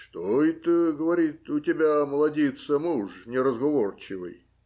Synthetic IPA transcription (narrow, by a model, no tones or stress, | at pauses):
ʂt̪oɪt̪əɡəvɐɾʲit̪ʊtʲɪbʲaməlˠɐdʲet̪səmuʐnʲɪɾəzɡɐvort͡ɕɪvɨ̰j